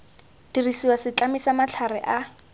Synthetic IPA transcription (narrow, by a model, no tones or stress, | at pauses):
d̥irisiwasɪt͡ɬamisamat͡ɬʰarɛʔa